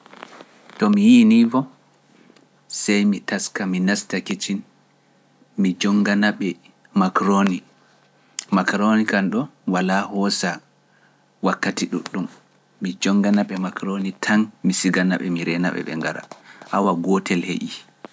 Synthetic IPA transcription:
tɔmijinivɔ | sajmitaskaminastakit͡ʃin | mid͡ʒɔŋɡanaɓɛ | makɾoni | makɾonikanɗɔwalahɔsa | wakːatiɗṵɗːumː | id͡ʒɔŋɡanaɓɛmakɾonitʰanmisiɡanaɓɛ̰miɾɛna̰ɓɛ̰ɓɛ̰ŋɡaɾa̰ʔawaɡɔtɛlheʔi

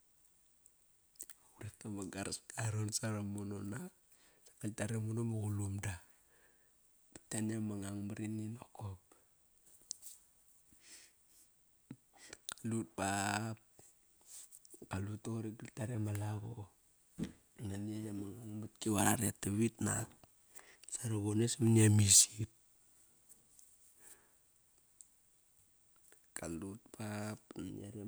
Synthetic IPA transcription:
uɾektamaɡaɾaskaɾonsaɾamunona | sḁkaltaɾemunomaɣulumda | bitanamaŋaŋmaɾininokop | kḁlut̚pap̚ | kalutoɾiɡiltaɾamalaɣo | naniajamaŋaŋmat̚kiwaaɾatːeβitnak̚ | saɾoɣonesamniamisit̚ | kalut̚pap̚ɲa̰ɾa

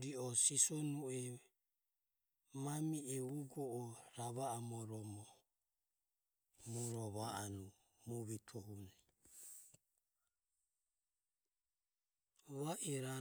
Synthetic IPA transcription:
ɾiɔsisɔnuɛ | mamiɛuɡɔʔɔɾaβaːmɔɾɔmɔ | mɔɾɔβaanu | muβit̪ʰɔɦuna | βaʔiɾa

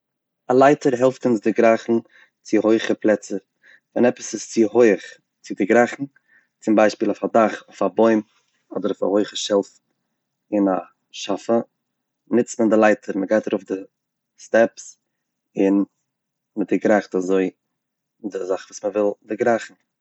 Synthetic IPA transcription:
alˠaɪtʰəɾɦɛlˠftʊnsdɪɡɾaχn̩ | t͡sɪhoɪχəplˠɛt͡sə | vɛnɛpə̥sɪst͡sɪɦoɪχ | t͡sɪdɪɡɾaχn̩ | t͡sɪmbaɪʃpiːlˠʊfadaχʊfabɔɪm | ɔdəɾɔfa̰hoɪχəʃɛlˠf | ɪna | ʃafə | nɪt͡stməndɪlˠaɪtʰəɾməɡaɪtaɾuʊfdɪ | stɛps | ɪn | mətdɪɡɾaχtazoɪ | dɪzaχvuːsməvɪlˠdɪɡɾaχn̩

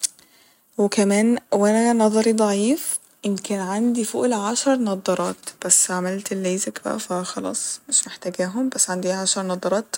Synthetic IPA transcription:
wekæmæːnwænænɑðˤɑɾid̪ˤɑʕiːf | ʔɪmkænʕand̪ifo̰ʔlʕaʃɑɾˤnɑd̪ˤɑɾˤɑːt̪b̥æsːʕamælt̪elːeːzækbæ̰ʔæfæxɑlɑ̰ːsˤmeʃmeħt̪æɡæːɦombæsːʕand̪iːʕaʃɑɾˤnɑd̪ˤɑɾˤɑːt̪

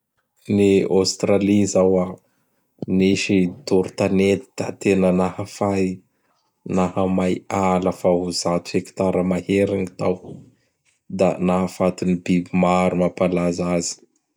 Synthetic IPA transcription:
niost̪ɾalizawa | niʃit̪uɾut̪anet̪i̥d̪̥at̪enənahəfaj | nahəmajaləfaɦuzat̪u̥heki̥t̪aɾəmaheɾiŋit̪aw | d̪a̰naɦəfat̪unibibimaɾumapalazazi̥

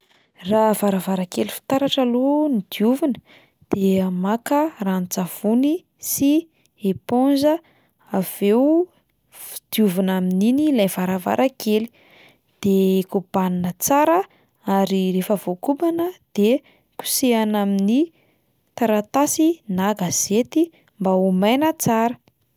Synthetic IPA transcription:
ravaɾavaɾakelifi̥t̪aɾaʈ͡ʂalonid̪̥iuvinə̥ | d̪̥eamakərant͡sav̥uni | si | eponzə | av̥ew | fi̥d̪̥iuvinamininilajv̥aɾava̰ɾʔakʰeli̥ | d̪̥ekub̥aninət͡saɾə | aɾirefəv̥okubanəd̪̥e | ku̥seanamini | t̪aɾat̪asinaɡaz̥et̪i | mbaumajnət͡saɾə

